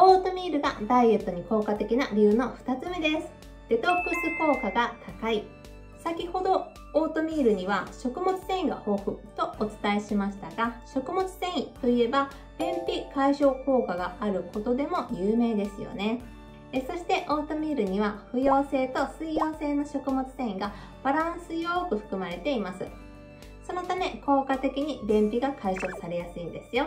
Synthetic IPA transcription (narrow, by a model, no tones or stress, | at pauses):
o̞ːt̪o̞mʲiːɾɯ̟ɡa̰d̪aie̞t̪ːo̞ɲ̟iko̞ːkat̪e̞kʲinaɾʲɯːno̞ɸɯ̟̥t̪at͡sɨme̞d̪e̞sɨ̥ | d̪̥e̞t̪o̞kːɯ̟sɨko̞ːkaɡat̪ʰakai | sakʲiho̞d̪o̞ | oːt̪o̞mʲiːɾɯ̟ɲ̟iβ̞aɕo̞kɯ̟mo̞t͡sɨ̥sẽ̞ɰ̃iɡa̰ho̞ːɸɯ̟t̪o̞ot͡sɨ̥t̪aeɕimaɕi̥t̪aɡaɕo̞kɯ̟mo̞t͡sɨ̥sẽ̞ɰ̃it̪o̞ie̞ba | bẽmpʲikaiɕo̞ːko̞ːkaɡaaɾɯ̟ko̞t̪o̞d̪e̞mo̞jɯːme̞ːd̪e̞sɨjo̞̰ne̞ | eso̞ɕi̥t̪e̞ʔo̞ːt̪o̞mʲiːɾɯ̟ɲ̟iβ̞aɸɯ̟jo̞ːse̞ːt̪o̞sɨijo̞ːse̞ːno̞ɕo̞kɯ̟mo̞t͡sɨ̥t̪ẽ̞ɰ̃iɡa | b̥aɾãsɨjoːkɯ̟ɸɯ̟̥kɯ̟maɾe̞t̪e̞imasɨ | so̞no̞t̪ame̞ko̞ːkat̪e̞kʲiɲ̟ibẽ̞mpʲiɡakʰaiɕo̞̥saɾe̞jasɨĩnd̪e̞sɨjo̞